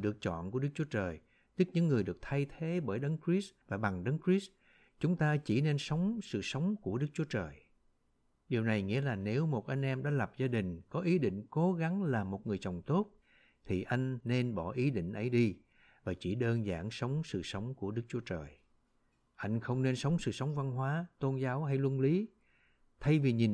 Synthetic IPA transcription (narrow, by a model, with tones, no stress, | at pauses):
ɗɨ˨˩ək̚t͡ɕɔ̰˧˨nku˧˩əɗɨ˦˥k̚t͡ɕu˨˦ət͡ɕəː˨˩j | t̪i˦˥k̚ɲɨ̰˧˥ŋːɨ˨˩əjɗɨ˨˩ək̚t̪ʰa˧jt̪ʰe˨˦ɓəː˧˩jɗə˨˦nkɹi˦˥svaː˨˩ɓa˨˩ŋɗə˨˦nkɹi˦˥s | t͡ɕʊ˨˦ŋ͡mt̪aː˧t͡ɕi˧˩ne˧nsə˨˦wŋ͡msɨ̰˧˨sə˨˦wŋ͡mku˧˩əɗɨ˦˥k̚t͡ɕu˨˦ət͡ɕəː˨˩j | ɗi˨˩əwna˨˩jŋḭ˧˥əlaː˨˩ne˨˦wmo˨˩t̚ʔa˧jŋ̟ʔɛ˧mɗa̰ː˧˥lə˨˩p̚zaː˧ɗï˨˩ŋ̟kɔ˨˦ʔi˨˦ɗḭ̈˧˨ŋ̟ko˨˦ɣa˨˦ŋlaː˨˩mo˨˩t̚ŋɨ˨˩əjt͡ɕə˨˩wŋ͡mt̪o˦˥t̚ | t̪ʰi˨˩ʔa˧jŋ̟ːe˧nɓɔ˧˩ʔi˨˦ɗḭ̈˧˨ŋ̟ʔə˨˦jɗi˧ | vaː˨˩t͡ɕi˧˩ɗəː˧nza̰ː˧˩ŋsə˨˦wŋ͡msɨ̰˧˨sə˨˦wŋ͡mku˧˩əɗɨ˦˥k̚t͡ɕu˨˦ət͡ɕəː˨˩j | ʔa˧jŋ̟xə˧wŋ͡mne˧nsə˨˦wŋ͡msɨ̰˧˨sə˨˦wŋ͡mva˧nɦwaː˨˦t̪o˧nzaː˨˦wɦa˧jlwə˧nli˨˦ | t̪ʰa˧jvi˨˩ɲi˨˩n